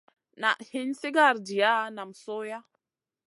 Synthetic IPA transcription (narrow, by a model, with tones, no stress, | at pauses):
na̰˨ʔhi˦nsi˦ɡa˦˨ɾdi˨ja˦na˨msoː˦ja˦